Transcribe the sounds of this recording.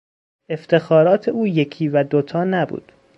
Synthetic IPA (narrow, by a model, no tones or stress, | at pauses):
e̞ft̪ʰe̞xɒːɾɒːt̪ʰe̞ʔuːje̞cʰiːvæd̪ot̪ʰɒːnæbṵːd̪̥